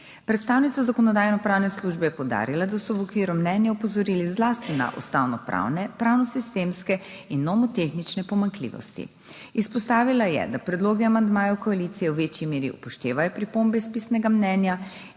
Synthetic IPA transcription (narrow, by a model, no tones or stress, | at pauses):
pɾɛt̪st̪aːwnit̪sazakɔnɔd̪aːjnɔpɾaːwnɛsluʒbɛjɛpɔwd̪a̰ɾilad̪asɔwɔkʋiːɾumnɛnjaupɔzɔɾiːlizlast̪ina̰ʔṵst̪a̰wnɔpɾa̰wnɛpɾawnɔsist̪emskɛ | inːɔmɔt̪exnit͡ʃnɛpɔmaŋklḭːʋɔ̰st̪ḭ | ispɔst̪aːʋilajɛ̰d̪apɾɛd̪loːɡiamand̪maːjɔwkɔalit̪sijɛwʋet͡ʃjimeːɾḭṵpɔʃt̪eːʋajɔpɾipombɛispisnɛɡamnɛnja